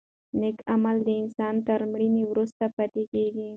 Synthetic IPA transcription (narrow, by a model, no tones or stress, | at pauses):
nɪkamald̪əɪnsɑnt̪əɾmɽiniwɾust̪apat̪ekeɡi